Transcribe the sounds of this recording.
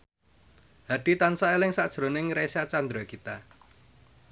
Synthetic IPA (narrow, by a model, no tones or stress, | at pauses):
haɖ̪̥i̤t̪ansaelɪŋsad̥ʒ̥ɾo̤nɪŋɾesat͡ʃand̪ɾɔkit̪a